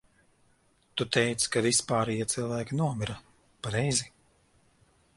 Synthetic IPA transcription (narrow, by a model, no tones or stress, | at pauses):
t̪ut̪ɛjt̪skavispaːɾɛjit̪silˠvæːkʲinuɔmiɾa | paɾɛjzi